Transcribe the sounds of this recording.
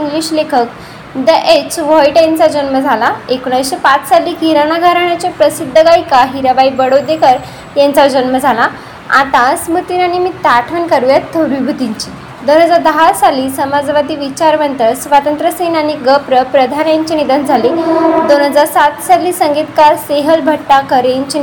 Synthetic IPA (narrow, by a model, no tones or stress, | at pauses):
ĩŋɡliɕlekʰək̚ | d̪əʔet͡sʋɔjʈint͡sad͡ʑənməd͡zʱalaekuɳajsɕepat͡ssalːiːkiɾanaɡʱaɾaɳjat͡ɕapɾəsid̪ʱːəɡajkaɦiɾaʋaibəɽod̪ekəɾ | jɛ̃nt͡sad͡ʑənməd͡zʱala | a̰t̪ãsmut̪inañimiːt̪aʈʰənkaɾujat̪ʰːəʋɾibʱut̪iɲt͡ɕiː | d̪on̤ɦəd͡zaɾd̪əɦasaliːsəmad͡zʋad̪ʱiːʋit͡ɕaɾʋənt̪əsʋat̪ənt̪ɾəsenañiɡəpɾəpɾəd̪ʱanjaɲt͡ɕinid̪ənd͡zʱaliːd̪onɦəd͡zaɾsat̪salːiːsəŋɡit̪kaɾseɦəlbʱəʈːakəɾeɲt͡ɕi